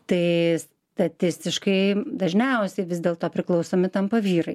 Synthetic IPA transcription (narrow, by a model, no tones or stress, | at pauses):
t̪ɐɪs | t̪ɐt̪ʲɪsʲt̪ʲɪʃkɐɪd̪ɐʒʲnʲɛʊsʲɛɪʋʲɪzd̪ʲeːlˠt̪oːpʲɾʲɪklˠɐʊsoːmʲɪt̪ɐmpɐʋʲiːɾɐɪ